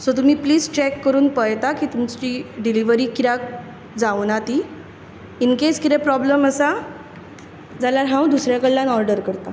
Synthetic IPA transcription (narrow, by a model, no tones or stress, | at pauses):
sɔt̪̬um̤iːpliːd͡zt͡ɕɛkːəɾuːnpəjt̪akiːt̪umt͡ɕt͡ɕiːɖiliʋəɾiːkiɾak̚ | d͡zaʋnat̪i | inket͡skit̪ɛ̃pɾɔbləməsa | d͡zalaɾɦãũd̪usɾjakəɽlanɔɾɖəɾkəɾt̪a